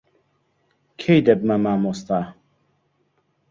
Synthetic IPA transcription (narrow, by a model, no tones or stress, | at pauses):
kʰejd̪ɛb̚mamaːmost̪a